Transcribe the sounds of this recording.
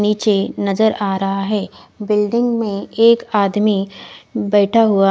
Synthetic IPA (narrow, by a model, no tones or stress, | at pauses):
niːt͡ʃenɐzəɾaːɾɐɦaɦɛːbɪlɖɪ̃ŋɡmẽeːkaːd̪mibɛːʈʰaɦʊa